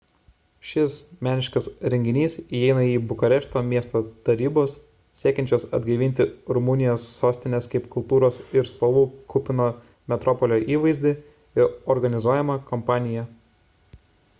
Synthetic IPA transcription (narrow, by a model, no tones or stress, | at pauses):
ʃʲɪsmʲæːnʲɪʃkɐsɾʲɛŋʲɡʲɪnʲiːsiɛɪnɐiːbʊkɐɾʲɛʃt̪oːmʲiɛst̪oːt̪ɐɾʲiːboːs | sʲiɛkʲɛnʲt͡ʃʲoːsɐ̰d̪ʲɡɐɪʋʲɪnʲt̪ʲɪɾʊmʊnʲɪjoːsːoːsʲt̪ʲɪnʲeskɐɪpkʊlˠt̪uːɾoːsɪɾspɐlˠuːkʊpʲɪnoː | mʲɛt̪ɾɔpɔlʲoːʔiːʋɐɪzʲd̪ʲɪ | ɪɾɔɾɡɐnʲɪzuɔjɛmɐkɔmpɑːnʲɪjɛ